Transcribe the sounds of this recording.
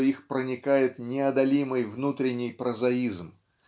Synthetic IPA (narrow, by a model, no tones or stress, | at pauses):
ixpɾənʲɪkajɪt̪nʲɪɐd̪ɐlʲimɨjvnut̪ɾʲɪnʲːɪjpɾəzɐizm